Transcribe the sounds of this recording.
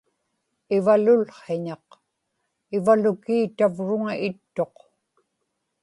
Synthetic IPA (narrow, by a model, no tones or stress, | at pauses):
ɪvalʊlχeɲɑq | ɪvalʊkiːt̪avɻʊŋaɪt̪ːo̞q